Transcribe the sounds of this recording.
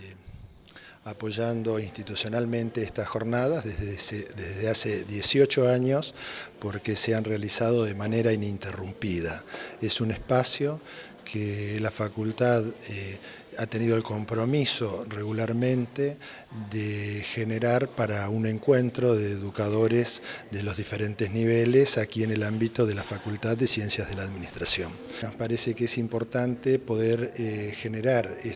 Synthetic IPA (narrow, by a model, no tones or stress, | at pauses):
apo̞ʒand̪o̞inst̪it̪usjo̞nalmẽ̞nt̪eest̪asxo̞ɾnað̞aðeesedeðeaseðjesjo̞t͡ʃoaɲo̞spo̞ɾkeseanrealisað̞o̞ðemaneɾainint̪erumpiðaesunespasjo̞ | kʰelafakult̪að | at̪e̞niðo̞elko̞mpɾo̞miso̞re̞ɣulaɾmẽ̞nt̪e | ðexeneɾaɾpaɾaune̞ŋkwent̪ɾo̞ðeːðukaðo̞ɾezðe̞lo̞zðife̞ɾent̪ezniβelesakiene̞lambit̪o̞ðe̞lafakult̪aðːesje̞nsjazð̞e̞laːðminist̪ɾasjo̞nohpaɾesekeesimpo̞ɾt̪ant̪epo̞ðeɾxe̞neɾaɾe